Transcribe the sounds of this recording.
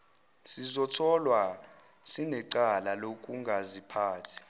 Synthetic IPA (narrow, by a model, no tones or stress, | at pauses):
sizɔtʰɔlwa | sinɛǀalalok̬ʼuŋɡʱazipʰaːtʰi̥